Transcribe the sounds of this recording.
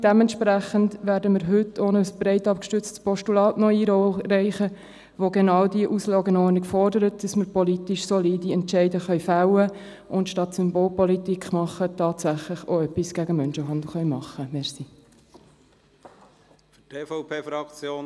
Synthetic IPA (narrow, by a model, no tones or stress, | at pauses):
d̥ɛmɛntʃpræχəndʋæːɾdəməɾɦʏtʰːonəsb̥ɾɛɪtɑpkʃtʏt͡stspɔʃtulɑːtnɔiɾɔrɛɪχə | ʋoɡɛnɑːwdiəʔuslɑːɡənɔːɾniɡfɔrdəɾət̚d̥ɑsməɾpɔlitiʃsɔliːdiɛntʃɛɪdəχœʏfæʊwə | ʔʊntʃtɑtsʏmboːlpɔlitikχmɑχːətɑːtsæχlɪχoœpːisɡ̥æɡəmœnʃəɦɑnd̪l̩ˠχœʏmɑχːəmɛɾsi | fytʰeːfopʰeːfɾɑkt͡sjoː